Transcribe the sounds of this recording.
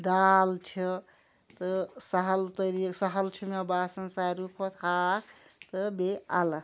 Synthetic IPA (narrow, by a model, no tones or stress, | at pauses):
d̪alt͡ʃʰɔ | t̪əsəɦəlt̪əɾiksəɦəlt͡ʃʰumebasənsaɾupʰət̪ʰakt̪əbealə